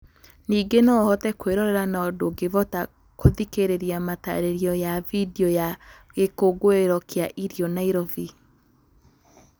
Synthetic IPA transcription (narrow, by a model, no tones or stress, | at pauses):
niːɡenɔhɔtɛkweɾɔɾɛɾanaɔdoɡevɔta | koðikeɾeɾijamata̰ɾeɾiɔjavideɔja | ɣekoɡoeɾɔkeaʔiɾiɔnaiɾɔvi